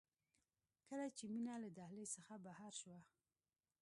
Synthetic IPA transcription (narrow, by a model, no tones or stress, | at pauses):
kəlat͡ʃeminalad̪ahlesəxabahaɾʃwa